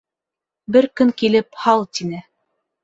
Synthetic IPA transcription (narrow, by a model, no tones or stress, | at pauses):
bɘɾkɵŋkilɘphɑlˠt̪inɘ